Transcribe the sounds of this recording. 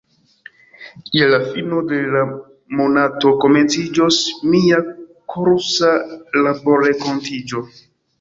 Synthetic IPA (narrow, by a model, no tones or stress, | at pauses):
ielafinodela | monato̞ko̞ment͡sid͡ʒosmiakoɾsalaboɾekontid͡ʒo̞